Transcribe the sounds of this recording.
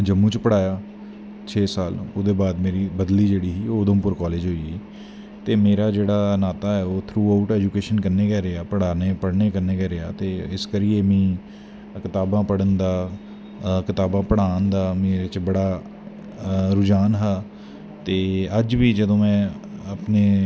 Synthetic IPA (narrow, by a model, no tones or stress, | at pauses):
d͡ʒəmːũːt͡ʃpəɽaːjaː | t͡ʃʰeːsaːlod̪eːbaːd̪meːɾiːbəd̪liːd͡ʒeːɽiːɦiːoːd̪õːpʊɾkɔːleːd͡ʒɦoːiːiː | t̪eːmeːɾaːd͡ʒeːɽaːnaːt̪aːɛːoːt̪ʰɾuːaːʊʈɛːd͡ʒukeːʃənkəɾneːkɛːɾɪaːpəɽaːneːpəɽneːkəɾneːkɛːɾɪa̰ːt̪eːɪskəɾiːeːmĩː | kɪt̪aːbãːpəɽənd̪aː | kɪt̪aːbãːpəɽaːnd̪aːmeːɾet͡ʃbəɽaː | ɾʊd͡ʒaːnɦaː | t̪eːəd͡ʒʋiːd͡ʒəd̪õːmɛ̃ː | əpneː